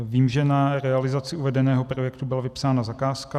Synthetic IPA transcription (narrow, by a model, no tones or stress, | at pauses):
viːmʒɛnaɾɛalɪzat͡sɪuvɛdɛnɛːɦo̞pɾojɛkt̪ubɪlavɪpsaːnazakaːska